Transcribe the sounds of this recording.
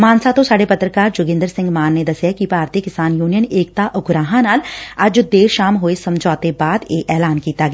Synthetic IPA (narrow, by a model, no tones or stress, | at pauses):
maːnsat̪õsaːɽepɐt̪ɾəkaːɾd͡ʒʊɡɪ̃nd̪əɾsɪ̃ŋɡmaːnːed̪ɐsekipaːɾt̪ikɪsaːnjuːnijəneːk̚t̪aʔʊɡɾaːɦãnaːlɐd͡ʒd̪eːɾʃaːmɦoːesɐmd͡ʒʱɔːt̪ebaːd̪eːʔɛːlaːnkiːt̪aɡ